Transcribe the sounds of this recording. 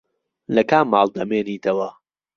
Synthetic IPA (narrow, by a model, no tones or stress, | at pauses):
lɐkaːmːaːlˠd̪ɐmeːniːt̪ʰɐwɐ